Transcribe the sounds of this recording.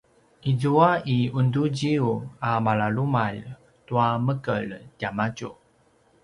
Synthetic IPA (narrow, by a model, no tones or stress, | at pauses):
ʔizuaiunduɟiuamaɭalumaʎ | tuaməkə̰ɭɟamaɟṵ